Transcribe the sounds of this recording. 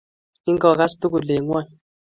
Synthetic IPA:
i˦ŋ˦kɔ˨ka˦stu˦ku˨le˨ŋwa˦˨

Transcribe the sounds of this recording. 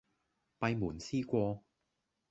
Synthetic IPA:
pɐ˧jmuː˨˩nsiː˥kʷɔː˧

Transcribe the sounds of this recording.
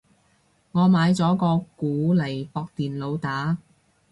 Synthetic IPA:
ŋɔː˨˧maː˨˧jt͡sɔː˨˥kɔː˧kuː˨˥lɐ˨˩jpɔː˧k̚t̪iː˨˩nlo˨˧wt̪aː˨˥

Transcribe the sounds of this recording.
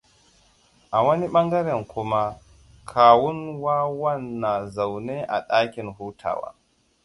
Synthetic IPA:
ʔa˨wɐ˦ni˦ɓa˦ŋɡa˦ɾɛ˨nku˦ma˦ | kʰaː˨wu˦nwaː˦wa˦nːa˨za˨wnɛ˦ʔa̰˨ɗaː˦kʲi˨nhuː˦tʰa̰ː˨wa̰˨

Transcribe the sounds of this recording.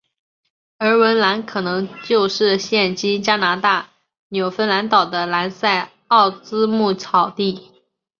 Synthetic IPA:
ə˞˧˥wə˧˥nla˧˥nkʰɤ˨˩nɤ˧˥ŋt͡ɕjo˥˧ʊʂɻ̩˥˩ɕjɛ˥˩nt͡ɕi˥nt͡ɕja˥na˧˥t̪a˥˩ | njo˨˩ʊfə˥nla˧˥nt̪ɑ˨˩ʊd̪ə˦la˧˥nsa˥˧ɪ | ɑ˥˩ʊt͡sɹ̩˥mu˥˩t͡sʰɑ˨˩ʊt̪i˥˩

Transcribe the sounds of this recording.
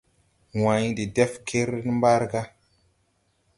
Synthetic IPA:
wã˨ɲ˦di˨de˦fkʰe˦ɾn˦mba˦ɾɡa˦

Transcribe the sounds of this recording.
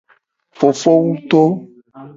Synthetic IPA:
fo˨fo˦wu˦t̪o˦

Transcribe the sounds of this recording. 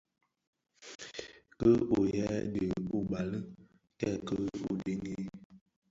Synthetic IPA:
kə˦o˨jɛ˦də˨o˨ba˨lə˦ | tɛ˦˨kə˦o˨de˦ŋi˦

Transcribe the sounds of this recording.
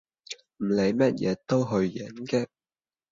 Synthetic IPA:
m̩˨˩le˨˧jmɐ˥t̚jɛ̰ː˨˧t̪o˥wɦɵ˧ɥːɛ˨˥nkɛː˧

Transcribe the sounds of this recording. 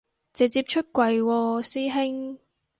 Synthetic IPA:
t͡sɛ˨˧t͡siː˧p̚t͡ʃʰɵ˥t̚kʷɐ˨˧jwɔː˧siː˥ɦɪ˥ŋ

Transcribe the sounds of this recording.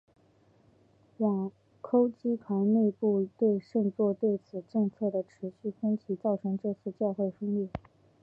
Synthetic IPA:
jɑ˨˩ŋ | kʰo˥ʊt͡ɕi˥pʰa˧˥ɪne˥˧ɪpu˥˧t̪we˥˧ɪʂɤ˥˧ŋt͡swɔ˥˧t̪we˥˩ɪt͡sʰɹ̩˨˩ʈ͡ʂɤ˥˧ŋt͡sʰɤ˥˩d̪ə˩ʈ͡ʂʰɻ̩˧˥ɕy˥˩fə˥nt͡ɕʰi˧˥t͡sɑ˥˩ʊʈ͡ʂʰɤ˧˥ŋʈ͡ʂɤ˥˧t͡sʰɹ̩˥˧t͡ɕjɑ˥˧xwe˥˩ɪfə˥ŋlɛ˥˩

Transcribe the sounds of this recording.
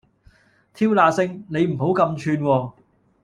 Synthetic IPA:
t̪ʰiː˥wlaː˧sɪ˥ŋne˨˧jm̩˨˩ɦo˨˥wkɐ˧mt͡ʃʰyː˧nwɔː˧

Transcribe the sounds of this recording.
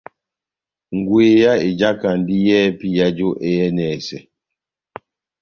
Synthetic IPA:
ŋ̩˨ɡwe˨ja˦e˨d͡ʒa˦ka˨n˦di˦jɛː˦pi˦ja˦d͡ʒo˦ʔe˦jɛ˦nɛ˨sɛ˨

